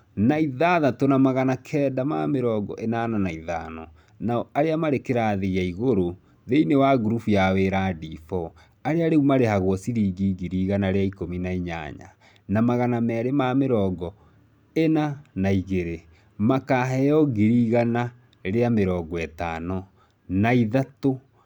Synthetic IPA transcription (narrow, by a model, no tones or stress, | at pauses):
naiðaðatonamaɣanakʰɛːdama̰meɾɔɡɔ̰ʔenananaiðanɔ | naɔaɾeamaɾekeɾaðejaiɣoɾo | ðeinewaɡuɾufujaweɾadifɔ | aɾeaɾeumaɾehaɣwɔsiɾiːɡiɡiɾiɣanaɾeaikominaiɲa̰ɲa̰ | namaɣanamɛːɾemameɾɔːɡɔ | enanaiɣeɾe | makaɦɛjɔɡiɾiɣana | ɾeameɾɔːɡɔɛtaːnɔ | naiðato